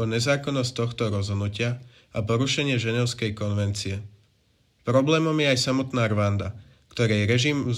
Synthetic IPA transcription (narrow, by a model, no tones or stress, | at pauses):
ɔɲɛzaːkɔnːɔst̪ɔxt̪ɔɾɔzɦɔd̪nucɪa | apɔɾuʃɛɲɪɛʒɛɲɔʊskɛjkɔnʋɛnt͡siɛ | pɾɔblɛːmɔmjɛajsamɔt̪naːɾʋand̪a | kt̪ɔɾɛjɾɛʒim